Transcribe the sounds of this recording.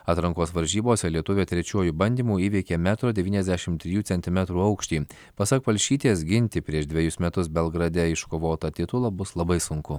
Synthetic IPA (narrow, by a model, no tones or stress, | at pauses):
ɑːt̪ɾɐŋkoːsʋɐɾʲʒʲiːboːsʲɛlʲiɛt̪ʊʋʲeːt̪ʲɾʲɛt͡ʃʲuɔjubɐnʲd̪ʲiːmuːiːʋʲɛɪkʲeːmʲæːt̪ɾoːd̪ʲɛʋʲiːnʲɛzd̪ʲæʃʲɪmt̪ʲɾʲɪjuːsʲɛnʲt̪ʲɪmʲɛt̪ɾuːɐʊkʃʲt̪ʲiː | pɐsɐkpɐlʲʃʲiːt̪ʲeːsɡʲɪnʲt̪ʲɪpʲɾʲiɛʃd̪ʲʋʲɛjʊsmʲɛt̪ʊsbʲɛlˠɡɾɐd̪ʲɛɪʃkoːʋoːt̪ɐt̪ʲɪt̪ʊlˠɐbʊslˠɐbɐɪsʊŋkʊ